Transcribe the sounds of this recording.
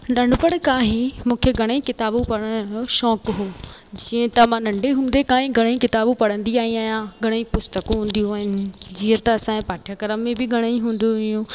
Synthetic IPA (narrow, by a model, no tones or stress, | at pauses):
ɗɐɳɖpəɽ̃kaːɦĩmũːkʰeɡʱɐɽ̃ĩkɪt̪aːbũpɐɽ̃ə̃ʃɔːkɦoːd͡ʑiːə̃t̪ɐʋ̤ãnɐ̃ɳɖeɦũːn̆d̪ekaːɦĩɡʱɐɽ̃ĩkɪt̪aːbũpɐɽə̃nd̪iaːɦĩaːɦijãɡʱɐɽ̃ĩpʊst̪əkũɦũːnd̪ijũaːɦɪnɪ̆d͡ʑiːət̪ɐɐsãːẽpaːʈʰjəkɐɾəmːẽbɪɡʱɐɽ̃əĩɦũːnd̪oɪjũː